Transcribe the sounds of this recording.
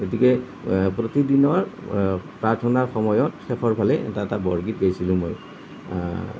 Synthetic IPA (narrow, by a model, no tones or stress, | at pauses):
ɡotikɛ | pɹotidinɔɹ | pɹaɹtʰɔnaxɔmɔjɔtxɛpʰɔɹpʰalɛɛ̰taɛtabɔɹɡit̚ɡojsilʊ̃mo̰j